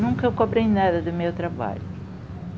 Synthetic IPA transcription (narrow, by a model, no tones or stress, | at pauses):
nũŋkɐewkobɾejnad̪ɐd̪ʊmewt̪ɾaba̰ʎʊ